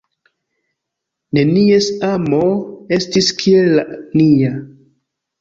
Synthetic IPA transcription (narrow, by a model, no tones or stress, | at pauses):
ne̞niesamoe̞stiskʰielːania